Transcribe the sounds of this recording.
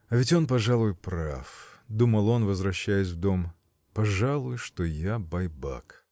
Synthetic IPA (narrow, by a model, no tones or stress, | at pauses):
ɐvʲɪtʲo̞npɐʐalˠʊjpɾa̰fd̪uməlˠo̞nvəzvɾɐɕːæjɪs̬ʲvd̪o̞m | pɐʐalˠʊjʊʂt̪ojabɐjba̰k